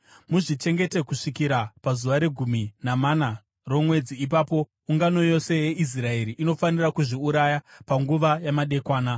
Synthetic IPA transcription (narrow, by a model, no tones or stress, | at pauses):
muʐit͡ʃe̞ŋɡe̞te̞kuʂikiɾapazuʋaɾe̞ɡʱuminamana | ro̞mwe̞d͡ziːp̬aːpo̞ | uŋɡano̞jo̞se̞jeʔis̬rae̞ɾiʔino̞fanirakuʐiuɾajapaŋɡuʋajamaɗe̞kwaːna